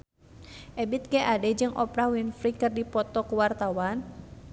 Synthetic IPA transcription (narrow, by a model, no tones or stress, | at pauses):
ʔɛbit̪̚kɛʔadɛd͡ʒɨŋʔɔpɾawinfɾikɨrdipɔt̪ɔkəwart̪awan